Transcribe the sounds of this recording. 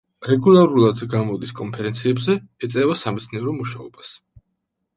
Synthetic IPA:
ɾɛɡulˠaɾulˠad̪ɡamɔd̪iskʼɔnpʰɛɾɛnt̪sʰiɛbzɛɛt̪sʼɛvasamɛt̪sʰniɛɾɔmuʃaɔbas

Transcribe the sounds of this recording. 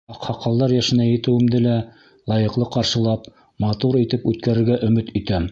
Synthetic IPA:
ɑqhɑqːɑlˠd̪ɑɾjæʃɘ̆næjɘ̆t̪ɘ̆wɘ̆md̪ɘlæ | lˠɑjɤ̆qlˠɤqɑɾʃɤ̆lˠɑp | mɑt̪uɾit̪ɘpʉt̪̚kæɾɘ̆ɾɡæʔɵ̆mɘt̪ɵ̆t̪æm

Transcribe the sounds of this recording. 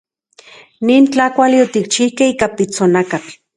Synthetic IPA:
niːnt͡ɬakʷaliot̪ik̚t͡ʃihkehiːkapit͡sonakat͡ɬ

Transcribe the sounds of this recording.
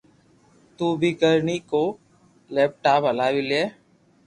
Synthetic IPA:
t̪uːbʱikəɾniːkoː | leːp̚ʈaːpəlaːʋileː

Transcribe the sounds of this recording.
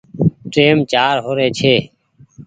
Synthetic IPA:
ʈeːmt͡ʃaːɾɦoːɾeːt͡ʃʰeː

